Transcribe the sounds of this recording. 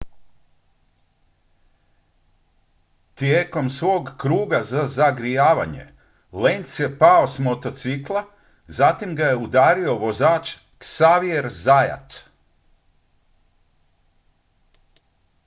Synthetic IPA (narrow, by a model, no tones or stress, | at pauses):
t̪jeːko̞msʋo̞ːɡkɾuːɡazazaɡɾijaːʋa̰ɲe̞̰ | lensjepaosmot̪o̞t̪siklˠa | zat̪imɡaje̞ud̪aːɾio̞ʋo̞zaːt͡ʃ | ksaːʋieɾzaja̰t̪